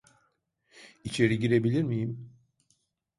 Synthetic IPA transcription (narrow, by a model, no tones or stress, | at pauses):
it͡ʃʰe̞ɾiɟiɾe̞bilʲiɾmijim